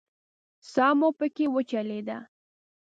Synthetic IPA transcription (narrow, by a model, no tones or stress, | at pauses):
sɑmopəkewət͡ʃaled̪a